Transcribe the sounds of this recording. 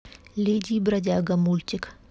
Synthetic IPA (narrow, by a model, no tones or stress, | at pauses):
lʲed̪ʲibɾɐdʲaɡɐmulʲt̪ʲɪk